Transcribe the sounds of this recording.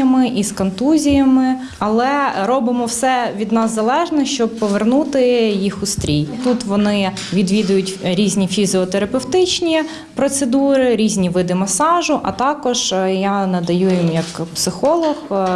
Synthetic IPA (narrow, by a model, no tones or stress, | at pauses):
ɐmɪʔiskɔnt̪uzʲijɐmɪ | ɐlˠɛɾɔbɪmɔwsɛʋʲid̪nɑzːɐlˠɛʒnɛʃt͡ʃɔb̚pɔʋernut̪ɪjixʊst̪ɾʲijt̪ut̪ʋɔnɪ | ʋʲid̪ʋʲid̪ʊjʊtʲɾʲizʲnʲifʲizeɔt̪eɾɐpewt̪ɪt͡ʃnʲi | pɾɔt̪sed̪uɾɪɾʲizʲnʲiʋɪd̪ɪmɐsɑʒʊʔɐt̪ɑkɔʒjanɐd̪ɐjujimjɐkpsɪxɔlˠɔx